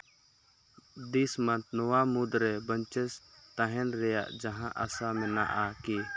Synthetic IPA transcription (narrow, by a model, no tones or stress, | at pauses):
d̪ismant̪̚nɔwamud̪ɾɛbəɲt͡ʃɛst̪ãɦɛnɾɛja̰ʔd͡ʒaɦãʔasamɛ̃na̰ʔaki